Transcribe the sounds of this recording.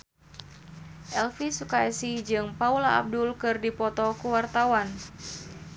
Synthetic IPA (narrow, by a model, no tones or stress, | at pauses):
ʔɛlfisukaɛsid͡ʒɨŋpaula̰ːb̚dulkɨrdipɔt̪ɔkuwart̪awan